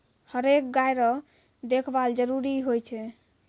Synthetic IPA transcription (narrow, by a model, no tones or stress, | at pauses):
həɾek̚ɡajɾɔ | d̪ekʰbald͡ʒəɾuɾiɦojt͡ʃʰɛ